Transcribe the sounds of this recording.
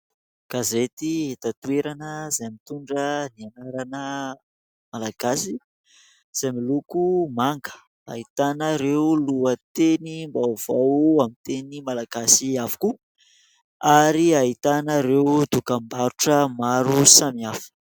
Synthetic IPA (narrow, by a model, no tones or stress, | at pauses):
kazet̪iet̪at̪ueɾanəzajmit̪uɳɖ͡ʐənianaɾanə | malaɡ̥asi | z̥ajmilukumaŋɡə̥ | a̰it̪anəɾewluət̪enimbav̥awamint̪enimalaɡasiavu̥ku | aɾiait̪anəɾewd̪ukambaɾuʈ͡ʂəmaɾusamiafi̥